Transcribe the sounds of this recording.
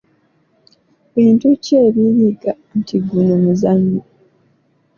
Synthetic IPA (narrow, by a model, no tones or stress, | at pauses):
βiːntuceːβiɾiɡa | n̩tiɡːunomuzambi